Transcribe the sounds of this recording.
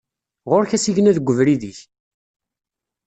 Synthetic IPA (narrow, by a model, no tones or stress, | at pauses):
ʁoɾçæsiʝnæðəɡʷːəvɾiðiç